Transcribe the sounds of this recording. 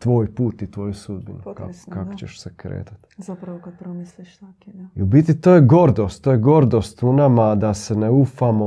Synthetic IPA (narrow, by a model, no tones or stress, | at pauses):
t̪ʋo̞ːjpuːt̪it̪ʋojusud̪̚binuka̰kokakot͡ɕeʃsekɾḛːt̪ḁt̪zaɾisi | iubit̪it̪o̞ːjeɡo̞ɾd̪o̞st̪ːoːjeɡo̞ɾd̪o̞ːst̪unamad̪ase̞neufamo